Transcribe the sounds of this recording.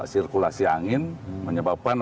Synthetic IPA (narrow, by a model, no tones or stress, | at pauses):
sirkulasiaŋɪnməɲəbap̚an